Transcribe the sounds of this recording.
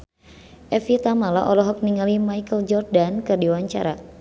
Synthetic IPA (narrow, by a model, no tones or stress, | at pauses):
ʔɛfit̪amala̰ʔɔlɔɦɔk̚niŋalimajkəld͡ʒɔrdankɨrdiwaɲt͡ʃaɾa